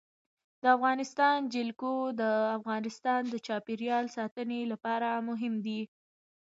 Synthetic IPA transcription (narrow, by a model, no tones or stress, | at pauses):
d̪əafɣɑnɪst̪ɑnd͡ʒɪlkod̪əafɣɑnɪst̪ɑnd̪ət͡ʃɑpiɾjɑlsɑt̪ənelapɑɾamʊɦɪmd̪i